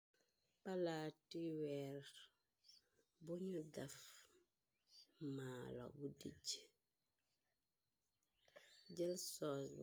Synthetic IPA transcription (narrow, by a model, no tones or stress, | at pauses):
palatiwɛɾ | boɲudaf | maːlɔ̰budḭɟ | ɟəlsɔs